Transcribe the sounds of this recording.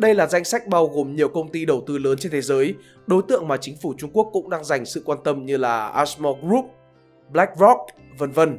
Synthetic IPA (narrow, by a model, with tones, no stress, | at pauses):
ɗə˧jlaː˨˩za˧jŋ̟sa˦˥jk̟̚ɓaː˧wɣo˨˩mɲi˨˩əwkə˧wŋ͡mt̪i˧ɗə˧˩wt̪ɨ˧ləː˨˦nt͡ɕe˧nt̪ʰe˨˦zəː˨˦j | ɗo˨˦jt̪ɨ̰˧˨əŋmaː˨˩t͡ɕï˨˦ŋ̟fu˧˩t͡ɕʊ˧ŋ͡mku˦˥əkːʊ̰˧˥ŋ͡mɗaː˧ŋza˨˩jŋ̟sɨ̰˧˨kwaː˧nt̪ə˧mɲɨ˧laː˨˩ʔaː˧˥smɔ˧ɣɾu˦˥p̚ | ɓla˦˥k̚vɔ˦˥k̚ | və˧nvə˧n